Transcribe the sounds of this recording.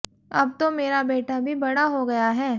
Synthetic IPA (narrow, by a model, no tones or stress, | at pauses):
ɐ̰b̚t̪omeːɾabeːʈʰabʱibɐɽaɦoɡɐjaɦɛː